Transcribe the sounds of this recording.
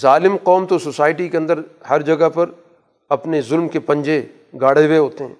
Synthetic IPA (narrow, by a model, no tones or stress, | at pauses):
zaːlɪmqɔːmt̪ososaːɪʈikeɐ̃nd̪əɾhɐɾd͡ʒɐɡəpɐɾ | ɐpnezʊlmkepɐ̃ɲd͡ʒe | ɡaːɽeweɦoːt̪eɦɛ̰̃ː